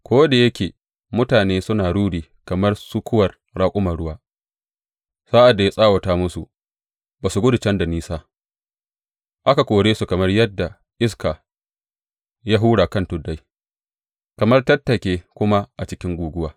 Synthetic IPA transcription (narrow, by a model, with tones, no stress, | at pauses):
kʰʷoː˦da˨jɐ˦kʲeː˨ | mʊ˦taː˨neː˦sʊ˦naː˨ɽuː˦ɽiː˨ | kɐ˨mɐ˦rsu˦kʰʷʊ˦wɐ˨r | ɽaː˦kʷʼʊ˦mɐ˨ɽʊ˦waː˦ | saː˦ʔa˨dːa˨ja˦sʼaː˦wɐ˨taː˦mʊ˦su˨ | baː˨su˨ɡʊ˦dʊ˨t͡ʃɐ˦nda˨niː˦saː˦ | ʔa˦ka˨kʷʼoː˨ɽeː˦su˨kɐ˨mɐ˦rjɐ˦dːa˨ | ʔɪ˦skaː˨ | ja˦ɦuː˦ɽaː˨kɐ˦˨ntʊ˨da˦j | kɐ˨mɐ˦rtɐ˦tːɐ˨kʲeː˦kʷʊ˦ma˦ʔa˨t͡ʃɪ˦kʲɪ˦ŋɡʷuː˨ɡʷʊ˦waː˨